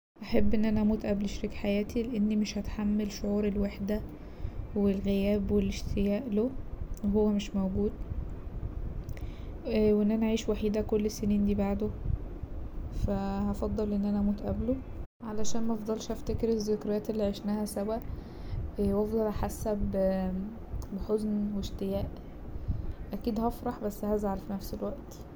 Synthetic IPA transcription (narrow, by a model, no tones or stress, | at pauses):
ʔaħabːʔenːʔænæʔæmuːt̪ʔæblʃɾikħajæːt̪ʰileʔenːimeʃhæt̪ħamːelʃoʕuːɾelwaħd̪æ | welɣejæːbweleʃt̪ʰejæːʔloeɦowːæmeʃmæwɡuːd̪ | weʔenːʔænæʔæʕiːʃwaħiːd̪ækolːesːæniːnd̪iːbaʕd̪o | fæhɑfɑd̪ˤːɑlʔenːʔænæʔæmuːt̪ʔæ̰blo | ʕalæʃæːnmæʔɑfd̪ˤɑlʃʔæft̪ekeɾezːekɾˤɑjæːt̪elːiʕeʃnæhæsæwæʔ | wɑfd̪ˤɑlʔaħasːæb | beħoznweʃt̪ejæːʔ | ʔækiːd̪hɑfɾˤɑħbæsːhæzʕalfinæfselwæʔt̪